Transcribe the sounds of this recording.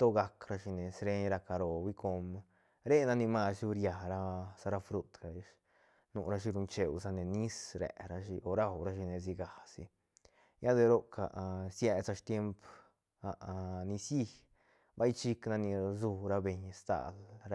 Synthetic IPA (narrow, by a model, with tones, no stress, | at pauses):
t̪o˦ɡa˧kɾa˧ʃi˧ne˨sɾe˧ɲɾa˧ka˧ɾo˧wi˦ko˧m | ɾe˦na˦ni˧ma˧sju˦ɾja˨ɾa˦sa˧ɾa˧fɾu˧t̪ɡa˨˧ʃ | nu˨ɾa˦ʃ̬i˧ɾu˧nt͡ʃe˨wsa˧ne˨ni˦sɾɛ̰˨ɾa˧ʃi˧ʔo˧ɾa˦wɾa˦ʃi˧ne˨s̬i˧ɡa˨sḭ˧ | ja˦d̪e˧ɾo˦ka̰˨ʔsjɛ˧sa˧ʂt̪je˦mp | a˧ni˧si˧ | ba˦jt͡ʃi˦kna˧ni˧zu˧ɾa˦be˨ɲe˧st̪a̰˨lɾ